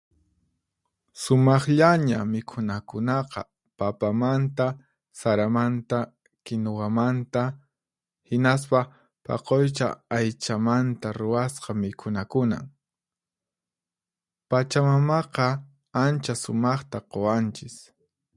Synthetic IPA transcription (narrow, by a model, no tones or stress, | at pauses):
sʊmɑχʎaɲamɪkʰʊnakʊnɑqɑ̰ | papamant̪a | saɾamant̪a | kɪnowamant̪a | hɪnas̬pa | pɑ̰qojt͡ʃa̰ːjt͡ʃamant̪aɾʊwasqɑmɪkʰʊnakʊna̰ŋ | pat͡ʃamamɑqɑ | ant͡ʃasʊmɑχt̪aqowant͡ʃɪs